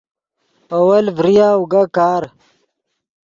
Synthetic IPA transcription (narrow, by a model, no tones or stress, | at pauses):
ɐwɐlvɾijaːuɡakaːɾ